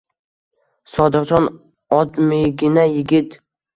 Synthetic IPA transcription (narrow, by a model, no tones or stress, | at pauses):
sɒd̪ɨqt͡ʃʰɒn | ɒd̪meɡʲɪnajɪɡʲɪt̪